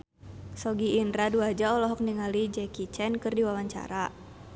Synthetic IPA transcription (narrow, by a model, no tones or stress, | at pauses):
sɔɡiːndɾaduad͡ʒaɔlɔɦɔk̚niŋalid͡ʒɛkit͡ʃɛnkɨrdiwawaɲt͡ʃa̰ɾa